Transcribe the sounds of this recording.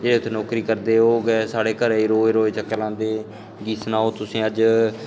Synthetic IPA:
d͡ʒeːɽeːʊt̪ʰːeːnɔːkɾiːkəɾd̪eːoːɡɛːsaːɽeːkəɾiːɾoːeːɾoːeːt͡ʃəkːlãːnd̪eː | ɡiːsnaːɦoːt̪ʊsĩːəd͡ʒ

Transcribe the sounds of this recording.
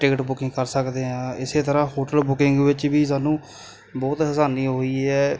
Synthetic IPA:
ʈɪkʈbʊkɪ̃ŋɡkəɾsəkd̪eːɦãːɪseːt̪əɾãːɦoːʈəlbʊkɪŋɡʋɪt͡ʃʋiːs̬aːnũː | bɔːt̪ɦəsaːniːɦoːiːɦɛː

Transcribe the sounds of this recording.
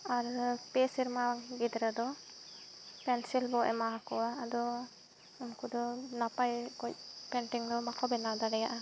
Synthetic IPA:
aɾpɛsiɾmaŋɡid̪ɾad̪ɔ | pɛnsilbɔʔɛ̰maɦakɔwaːd̪ɔ | umkud̪ɔnapajkɔc̚pɛɳʈiŋd̪ɔmakʰɔbɛnad̪aɽɛjaʔa

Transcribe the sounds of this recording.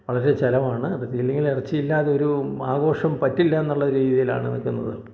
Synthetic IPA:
ʋɐɭɐɾe̞t͡ɕɐlɐmaːɳɨɐt̪ːilːeŋɡilirɐt͡ɕːiilːaːðeo̞ɾuaːɣo̞ːʂɐmpɐtːilːɐenːuɭːɐɾiːðijila̰ːɳɨnɐ̰kːunːɐ̰ðɨ

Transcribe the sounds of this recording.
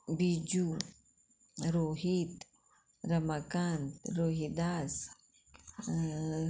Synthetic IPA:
bid͡ʒu | ɾoɦit̪ | ɾɐmakant̪ɾoɦid̪as

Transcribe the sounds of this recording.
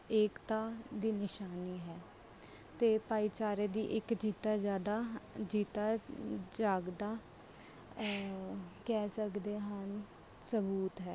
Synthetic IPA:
eːkt̪aːd̪iːnɪʃaːniːɦɛː | t̪eːpaːiːt͡ʃaːɾeːd̪ḭːʔɪkd͡ʒiːt̪aːd͡ʒjaːd̪aːd͡ʒiːt̪aːd͡ʒaːɡd̪aː | kɛːsəkd̪eːɦən | səbuːt̪ɦɛː

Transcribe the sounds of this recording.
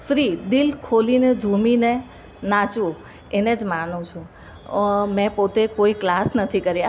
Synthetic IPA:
fɾid̪ilkʰolined͡ʒʱumine | nat͡ʃũ | ened͡ʒmanũt͡ʃʰũ | mɛ̃pot̪ekoiklasnət̪ʰikəɾja

